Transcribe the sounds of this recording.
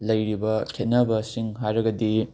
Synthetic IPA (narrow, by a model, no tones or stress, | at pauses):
lɐjɾibɐkʰet̚nɐbɐsiŋɦajɾɐɡɐdi